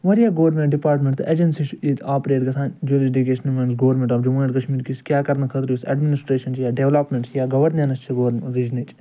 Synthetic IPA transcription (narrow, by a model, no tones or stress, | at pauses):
ʋɐɾjaːɡoʋɾmẽɳʈɖipaːɾʈmẽɳʈt̪ed͡ʒɐnsiʃid̪aːpɾeːʈɡɐsʰaːnd͡ʒulisɖiɡeːʃɐnmẽnsɡɐːʋɾmʲẽɳʈaːfd͡ʒɐmuːɐʈkɐʃmiːɾkiskʲjaːkɐɾnɐkʰɐt̪ɾisɐ̰ɖminisʈɾeːʃɐnt͡ʃjaːɖeʋlaːpmẽɳʈsjaːɡɐʋɐɾnɐnɐst͡ʃʰiɡoːɾɾid͡ʒnit͡ʃ